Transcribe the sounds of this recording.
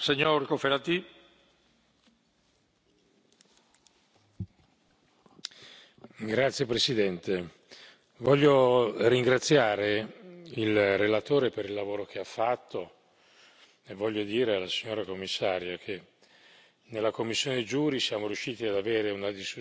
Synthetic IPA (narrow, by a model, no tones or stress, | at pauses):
seɲoɾkofeɾat̪i | ɡɾat̪sjepɾesid̪ɛnt̪e | vɔʎːoriŋɡɾat̪sːjaːɾeilrelat̪oːɾepeɾilːavoːɾok̟eafːat̪ʰːo | evːɔʎːod̪iːɾealasiɲːoːɾakomːisːaːɾjokʰe | nelːakomːisːjoːned͡ʒuːɾisjaːmoɾjuʃːiːt̪iad̪aveːɾeunad̪isku